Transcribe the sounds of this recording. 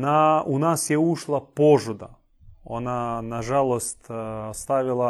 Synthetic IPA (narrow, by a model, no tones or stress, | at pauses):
naʊnasjɛuʂlˠɐpoʐʊd̪ə | ɐnanɐʐalˠəsʲt̪ʲɐst̪avʲɪlˠɐ